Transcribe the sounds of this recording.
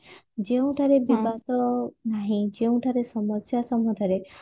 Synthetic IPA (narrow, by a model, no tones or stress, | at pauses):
d͡ʒeũʈʰaɾebibat̪ɔnaɦĩd͡ʒeũʈʰaɾesɔmɔsjasɔmɔʈʰaɾe